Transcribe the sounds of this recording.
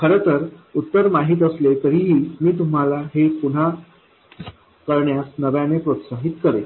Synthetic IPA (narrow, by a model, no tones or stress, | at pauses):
kʰəɾət̪əɾut̪ːəɾmaɦiːt̪̬əslet̪əɾiːɦiːmiːt̪̬um̤alaɦepuɳ̤a | kəɾɳjasnəʋjanepɾot̪saɦit̪kəɾe